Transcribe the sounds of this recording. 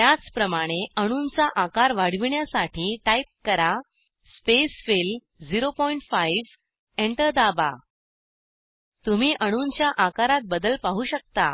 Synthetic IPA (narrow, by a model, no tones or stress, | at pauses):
t̪jat͡spɾəmaɽ̃eəɽ̃uːnt͡saʔakaɾʋaɽ̤ʋiɳjasaʈʰiːʈaip̚kəɾa | spesfel | d͡ziɾopɔiɳʈfaiʋ | eɳʈəɾd̪aba̰ | t̪um̤iːʔəɽ̃unt͡ɕjaʔakaɾat̪̚bəd̪əlpaɦuːɕək̚t̪a̰